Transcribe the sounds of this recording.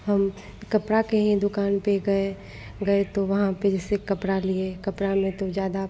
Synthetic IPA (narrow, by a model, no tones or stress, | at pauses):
ɦɐm | kɐpɽakeɦĩd̪ʊkaːnpeɡɐe | ɡɐet̪oʋɐɦãped͡ʒɛsekɐpɽaliekɐpɽamẽt̪od͡ʒjaːd̪a